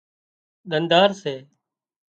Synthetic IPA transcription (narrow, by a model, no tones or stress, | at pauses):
ɗ̪ənd̪aːɾseː